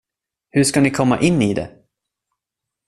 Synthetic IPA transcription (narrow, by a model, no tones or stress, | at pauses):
hɵʂkanɪkʰɔmːa̰ʔɪnːɪd̪ɛ̰